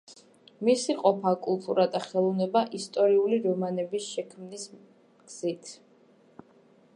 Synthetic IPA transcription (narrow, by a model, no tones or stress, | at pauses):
misiqʼɔpʰakʼulˠt̪ʼuɾad̪aχɛlˠɔvnɛbaʔist̪ʼɔɾiuliɾɔmanɛbisʃɛkʰmnis | ɡ̥z̥it̪ʰ